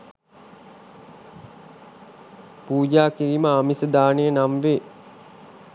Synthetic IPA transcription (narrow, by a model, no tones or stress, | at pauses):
puːd͡ʒaːkiɾiməamisəd̪aːnejənamʋeː